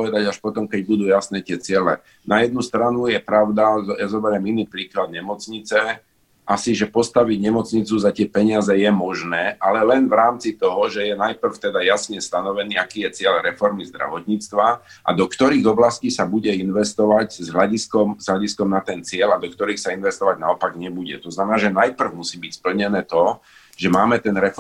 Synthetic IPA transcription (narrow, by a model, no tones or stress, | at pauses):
ɔʋɛd̪aɟaʃpɔt̪ɔmkɛɟbud̪uːjasnɛːt̪ɪɛt͡sɪɛlɛ | najɛd̪̚nust̪ɾanujɛpɾaʊd̪ajazɔbɛɾɛminiːpɾiːklad̪̚ɲɛmɔt͡sɲit͡sɛ | ʔasiʒɛpɔst̪aʋiɟɲɛmɔt͡sɲit͡suzat̪ɪɛpɛɲɪazɛjɛmɔʒnɛːʔalɛlɛnvɾaːmt͡sit̪ɔɦɔʒɛjɛnajpr̩ft̪ɛd̪ajasɲɛst̪anɔʋɛniːakiːjɛt͡sɪɛʎɾɛfɔɾmizd̪ɾa̰ʋɔt̪ɲiːt͡st̪ʋa | ʔa̰d̪ɔkt̪ɔɾiːɣɔblasciːsabuɟɛinʋɛst̪ɔʋaɟzɦlʎaɟiskɔmz̥ɦlaɟiskɔmnat̪ɛnt͡sɪɛʎad̪ɔkt̪ɔɾiːxsainʋɛst̪ɔʋaɟnaɔpaɡɲɛbuɟɛ̰t̪ɔznamɛnaːʒɛnajpr̩ʊmusiːbicspl̩ɲɛnɛːt̪ɔ | ʒɛmaːmɛt̪ɛnɾɛ